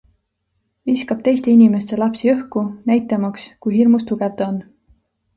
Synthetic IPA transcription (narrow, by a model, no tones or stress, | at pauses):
viskɑb̥t̪e̞jst̪e̞inime̞st̪e̞lɑpsiɤhkunæjt̪ːˑɑmɑkskujɦirmust̪uɡ̥evd̪̥on